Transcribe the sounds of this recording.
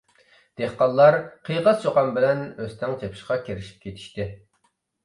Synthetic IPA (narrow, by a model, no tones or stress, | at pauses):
d̪̥eχqɑlˠːɑɾqʰijqɑst͡ʃʰoqɑmbɪlɛnøst̪ʰɛŋt͡ʃʰepʰi̥ʃqɑkʲʰeɾɪʃi̥p̚kʲʰet̪ʰi̥ʃt̪ɪ